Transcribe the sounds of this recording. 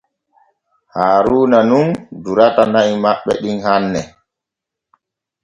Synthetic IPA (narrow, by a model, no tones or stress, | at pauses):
haːɾuːnanunduɾatanaimaɓːɛ̰ɗinhanːɛ